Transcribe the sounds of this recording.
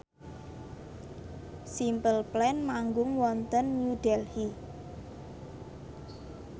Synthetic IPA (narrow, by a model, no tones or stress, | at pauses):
simpəlplɛnmaŋɡʊŋwɔnt̪ənːjuɖ̥ɛlhi